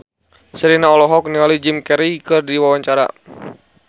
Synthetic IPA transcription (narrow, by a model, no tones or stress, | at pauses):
səɾinaɔlɔɦɔk̚nialid͡ʒimkɛɾikɨrdiwawaɲt͡ʃaɾa̰